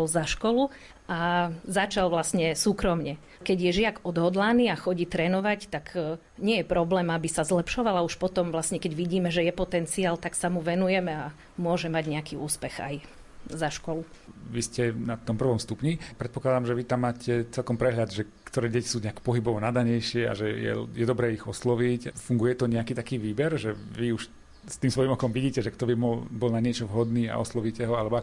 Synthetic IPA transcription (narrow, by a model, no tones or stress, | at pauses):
ɔlzaʃkɔlu | azat͡ʃalʋlasɲɛsuːkɾɔmɲɛ | kɛɟjɛʒɪaɡɔd̪ɦɔd̪laniːaxɔɟiːt̪ɾɛːnɔʋact̪ak | ɲɪɛjɛpɾɔblɛːmabisazlɛpʃɔʋalauʃpɔt̪ɔmʋlasɲɛkɛɟʋiɟiːmɛʒɛjɛpɔt̪ɛnt͡siaːlt̪aksamuʋɛnujɛmɛa | mʊɔʒɛmaɟɲɛakiːṵːspɛxa̰j | zaʃkɔluʋiscɛnat̪ɔmpr̩ʋɔmst̪upɲipɾɛt̪̚pɔklad̪amʒɛʋit̪amːaːcʰɛt͡sɛlkɔmpɾɛɦʎad̪ʒɛ | kt̪ɔɾɛːɟɛci̥suːɲɛakpɔɦibɔʋɔnad̪aɲɛjʃɪɛa̰ʒɛjɛ̰jɛd̪ɔbɾɛːiɣɔslɔʋicfuŋɡujɛt̪ɔɲɛakiːt̪akiːʋiːbɛɾʒɛʋiuʃ | st̪iːmsʋɔjimɔkɔmʋiɟiːcɛʒɛkt̪ɔbimɔbɔlnaɲɪɛt͡ʃɔʋɦɔd̪niːa̰ʔɔ̰slɔʋiːcɛɦɔalɛbɔa